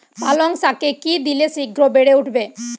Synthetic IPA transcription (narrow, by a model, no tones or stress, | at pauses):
paloŋsakekid̪ileʃiɡɾobeɽeuʈʰbe